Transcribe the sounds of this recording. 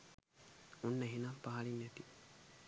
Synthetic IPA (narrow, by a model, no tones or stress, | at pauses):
unːeɦinampaɦɐlinːet̪i